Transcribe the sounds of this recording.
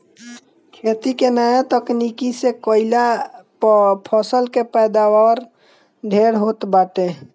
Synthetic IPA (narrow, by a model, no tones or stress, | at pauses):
kʰet̪ikenajat̪əknikisekəila | pʰɔsəlkepəd̪awaɾ | ɖ̪ʱeɾɦot̪baʈe